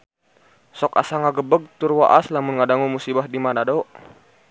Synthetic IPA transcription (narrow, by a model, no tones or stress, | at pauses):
sɔka̰saŋaɡəbəɡ̚t̪urwaʔaslamunŋadaŋumusibahdimadadɔʔ